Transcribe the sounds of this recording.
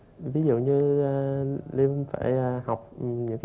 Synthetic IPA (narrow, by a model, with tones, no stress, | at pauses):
vi˨˦zṵ˧˨ɲɨ˧ | li˧fa̰ː˧˩jha˨˩wk͡p̚ɲɨ̰˧˥ŋk